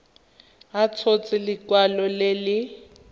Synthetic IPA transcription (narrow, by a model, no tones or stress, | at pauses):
at͡sʰot͡sɪlɪkwalɔlelɪ